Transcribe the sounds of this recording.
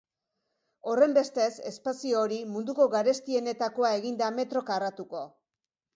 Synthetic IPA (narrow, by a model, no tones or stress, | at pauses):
o̞re̞mbe̞st̪e̞se̞spasioɾimund̪uko̞ɣaɾe̞st̪ie̞ne̞t̪ako̞ae̞ɣind̪ame̞t̪ɾo̞kaɾat̪uko̞